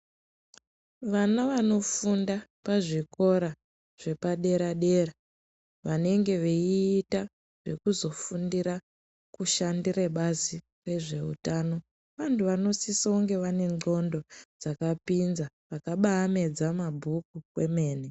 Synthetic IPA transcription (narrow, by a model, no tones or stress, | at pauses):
ʋanaʋano̞fundapaʐiko̞ɾa | ʐ̥e̞paɗe̞ɾaɗe̞ra | ʋane̞ŋɡe̞ʋeiːta | ʐ̥e̞̰kuzo̞fundiɾa | kuʃandireɓazi | re̞ʐe̞ṵtaːno̞ | ʋantuʋano̞sisauŋɡe̞ʋane̞ŋ͡ǃo̞ndo̞d͡zakapinza | ʋakaɓaːme̞d͡zamabʱukukwe̞me̞ːne